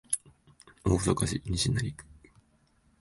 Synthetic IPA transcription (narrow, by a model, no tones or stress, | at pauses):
osokaɕiɲʲiɕinaɾʲikɯ̥